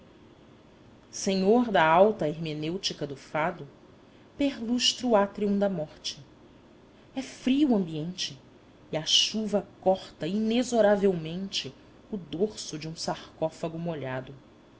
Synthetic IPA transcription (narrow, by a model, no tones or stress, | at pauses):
sẽɲoɾd̪ɐawt̪ɐeɦmenewt͡ʃikɐd̪ʊfad̪ʊ | peɦluʃt̪ɾuat̪ɾiũd̪ɐmɔχt͡ʃɪ̥ | ɛfɾiuɐ̃mbiẽnt͡ʃɪː | ɐʃuvɐkɔχt̪ɐinezoɾavewmẽnt͡ʃɪ | ʊd̪oɾsʊd͡ʒɪũsaχkɔfɐɡʊmoʎad̪ʊ